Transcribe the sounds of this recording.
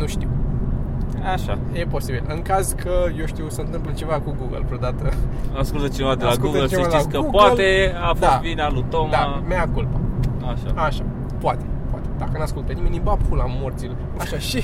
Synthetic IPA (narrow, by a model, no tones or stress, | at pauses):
nuʃt̪iw | aʃa | je̞po̞sibilɨŋkazkʰəjewʃt̪iwsəɨnt̪ɨmplət͡ʃe̞vakuɡuɡə̰lvɾod̪at̪əaskult̪ət͡ʃenevad̪elaɡuɡ̪əleeiaeiakəpoat̪eafoaviɾalut̪omd̪ameakulpəaʃa̰aʃa | poat̪epoa̰t̪e̥d̪akənaskult̪ənimenʲibafulamort̪sil | aʃaʃi